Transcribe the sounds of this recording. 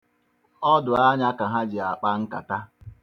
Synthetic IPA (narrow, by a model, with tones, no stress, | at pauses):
ɔ˦dʊ˨a˦ɲa˦ka˨ɦa˦d͡ʒɪ˨a˨k͡pa˦ŋ̩˦ka̰˨ta˦